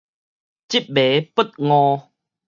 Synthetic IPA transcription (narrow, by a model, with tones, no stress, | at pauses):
t͡ɕi˦p̚be˨˦pə˦t̪̚ŋɔ̃˧